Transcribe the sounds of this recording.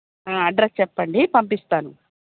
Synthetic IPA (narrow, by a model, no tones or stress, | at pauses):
ãːɐɖɾest͡ʃɛpːɐɳɖipɐmpist̪aːnu